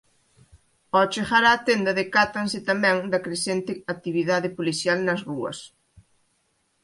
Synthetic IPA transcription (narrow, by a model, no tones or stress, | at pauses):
ɔt͡ʃexaɾaːt̪end̪ɐðɪkat̪aŋsɪt̪amɛ̃ŋd̪ɐkɾesent̪ɪat̪iβiðaðɪpoliθjalnɐzruɐ̰s